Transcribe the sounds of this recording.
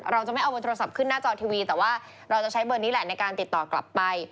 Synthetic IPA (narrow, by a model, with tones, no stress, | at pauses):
ɾa˧wt͡ɕa˨˩ma˥˩jʔa˧wbːt̪ʰːa˧sa˨˩p̚kʰɯ˥˩nːaː˥˩t͡ɕɔː˧t̪ʰiː˧wiː˧t̪ɛː˨˩waː˥˩ | ɾa˧wt͡ɕa˨˩t͡ɕʰa˦˥jbɤː˧niː˦˥lɛ˨˩na˧jkaː˧nt̪i˨˩t̪ːɔː˨˩kla̰˨˩pːa˧j